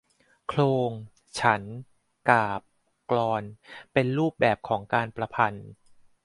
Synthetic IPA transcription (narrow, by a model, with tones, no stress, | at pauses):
kʰloː˧ŋ | t͡ɕʰa˦˥n | kaː˨˩p̚ | klɔː˧npe˧nɾuː˥˩p̚bɛː˨˩p̚kʰɔː˩˦ŋkaː˧npɾa˧pʰa˧n